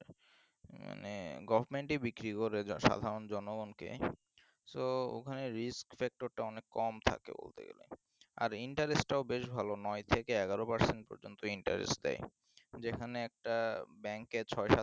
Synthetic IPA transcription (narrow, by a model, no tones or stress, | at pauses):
ma̰neɡɔbʱaɾmeɳʈibikɾikoɾeʃa̰d̪ʱaɾond͡ʑɔnoɡonkḛ | soo̰kʰaneɾiskfɛk̚ʈoɾʈaɔnekːɔmt̪ʰa̰kḛbo̰lt̪ḛɡḛlḛ | a̰ɾiɳʈaɾesʈaobeʃbʱalonɔjt̪ʰekeɛɡaɾopaɾseɳʈ̚pɔ̰ɾd͡ʑont̪oiɳʈa̰ɾḛsʈ̚d̪ɛ̰j | d͡ʑekʰaneɛk̚ʈabɛŋket͡ɕʰɔjʃa